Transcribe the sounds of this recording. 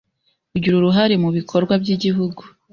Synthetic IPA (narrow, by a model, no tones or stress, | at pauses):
uɟuɾuɾuɦaɾemuβikʰo̞ɾɡwabɟiɟiɦuɡu